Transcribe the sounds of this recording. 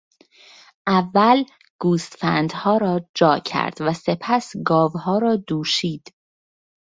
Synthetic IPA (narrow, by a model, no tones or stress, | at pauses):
ʔævːæl | ɡ̥uːst̪fæ̰nd̪hɒːɾɒːd͡ʒɒːcʰæ̰ɾd̪̥væse̞pʰæsɡɒːvhɒːɾɒːd̪̥uːʃiːd̪̥